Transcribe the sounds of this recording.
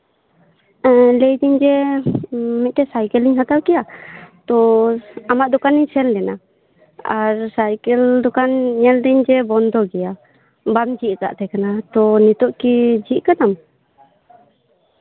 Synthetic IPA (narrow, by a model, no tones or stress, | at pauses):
lɛjd̪iɲd͡ʒɛ | mɛt̪̚t̪ɛsajkɛliɲɦat̪awkɛjat̪ɔamaʔ̚d̪ɔkaniɲsɛldɛna̰ | aɾsajkɛld̪ɔkanɲɛld̪iɲd͡ʒɛbɔnd̪ɔɡɛja | bamd͡ʒiʔk̪a̰ʔt̪ɛkanat̪ɔnit̪ɔʔkid͡ʒiʔkanam